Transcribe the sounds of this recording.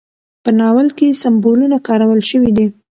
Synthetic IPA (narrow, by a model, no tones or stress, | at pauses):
pənɑwəlkesambolunakɑɾawəlʃəwid̪i